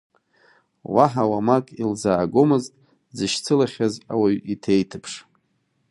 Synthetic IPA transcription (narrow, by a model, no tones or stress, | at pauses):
waħawamakʼilzaːɡomɨztʼ | d͡zɨʃt͡sʰɨlaχʲaza̰waɥitʰejtʰɨpʰʂ